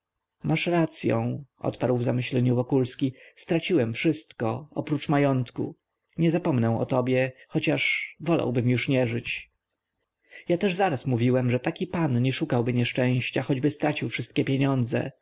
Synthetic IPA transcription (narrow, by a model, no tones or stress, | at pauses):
mʔaʂɾat̪sʲjɔ̰̃w̃ʔɔ̰t̪paɾwvzamɘɕlɛɲuvɔkulskʲist̪ɾat͡ɕiwɛmfʂɘst̪kɔɔpɾut͡ʂmajɔnt̪kṵ | ɲɛzapɔmnɛw̃ɔ̰t̪ɔbʲjɛxɔt͡ɕaʂvɔlʔa̰wbɘmjuʂɲɛʐɘt͡ɕ | jat̪ɛʐzaɾasmuvʲiwɛmʐɛt̪akʲipanɲɛʂukawbɘɲɛʂt͡ʂɛ̃w̃ɕt͡ɕaxɔd͡ʑbɘst̪ɾat͡ɕiwfʂɘst̪̚kʲɛpʲjeɲɔnd̪zɛ̰